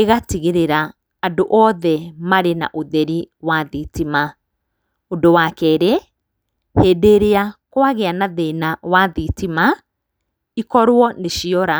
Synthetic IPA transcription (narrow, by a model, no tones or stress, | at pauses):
eɣatiɣeɾeɾaː | doʔɔðɛmaɾena̰ʔoðɛɾiwaðitima | ondowakɛɾe | heːdeɾeakwaɣeanaðenawaðitima | ikɔɾwɔneʃiɔɾa